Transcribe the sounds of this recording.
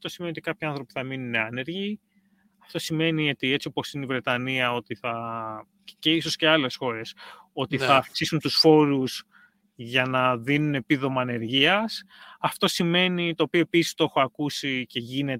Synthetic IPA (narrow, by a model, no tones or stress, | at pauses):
ɐft̪o̞si̥meniot̪ikɐpçiɐnθɾo̞pi̥θɐminuneɐne̞ɾʝi | ɐft̪o̞sime̞nio̞t̪ie̞t͡sio̞po̞sineivɾe̞t̪ɐniɐo̞t̪iθɐ | ce̞iso̞sce̞ɐle̞sxo̞ɾe̞so̞t̪iθɐːfksisunt̪usfo̞ɾuz | ʝɐnɐðinune̞piðo̞mɐːne̞ɾʝiɐsɐft̪o̞sime̞nit̪o̞ːpio̞episi̥st̪oe̞xoɐkusice̞ʝine̞t